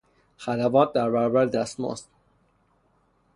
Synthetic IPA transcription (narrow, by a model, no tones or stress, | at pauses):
xælævɒːt̪̚d̪æɾbæɾɔbæɾd̪æst̪mo̰st̪